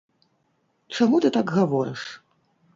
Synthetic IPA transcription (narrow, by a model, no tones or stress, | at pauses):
t͡ʂamut̪ɨt̪aɡɣavɔɾɨʂ